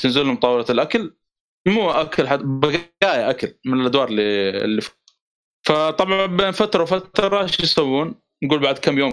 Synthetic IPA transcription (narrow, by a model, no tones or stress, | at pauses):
t̪ɪnzɪlhʊmt̪ˤɑːwɪlalʔakal | muːʔakalħabɪɡaːjaʔakalmɪnɪlʔad̪wɑːɾˤlḭlːif | fat̪ˤɑbʕɑbeːnfat̪ɾˤɑwfat̪ɾˤɑʃnsawːuːn | nɡuːlbaʕd̪kamːjoːm